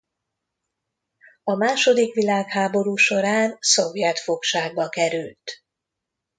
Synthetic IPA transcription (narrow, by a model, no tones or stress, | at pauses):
ɒmaːʃo̞d̪ikʋilaːkhaːbo̞ɾuːʃo̞ɾaːnso̞vjɛt̪fo̞kʃaːɡ̚bɒkɛɾylt̪